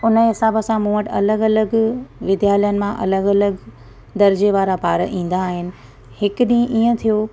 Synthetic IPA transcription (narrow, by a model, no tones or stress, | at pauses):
ʊnəɦɪsaːbəsãmũːəʈɐ̰ləɡɐləɡʋɪd̪jaːlijənɪ̆mãʔɐ̰ləɡɐləɡ | d̪ɐɾd͡ʑeʋaːɾapaːɾ̰ʔĩːn̆d̪aːɦɪnɪ̆ | hɪkɗĩːʔĩːə̃t̪ʰijoː